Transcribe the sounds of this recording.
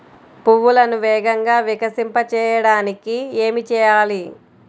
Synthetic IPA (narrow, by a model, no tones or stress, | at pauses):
puʋːulɐnuʋɛːɡɐŋɡaːʋikɐsimpɐt͡ʃɛːjɐɽaːnikieːmit͡ʃɛːjaːli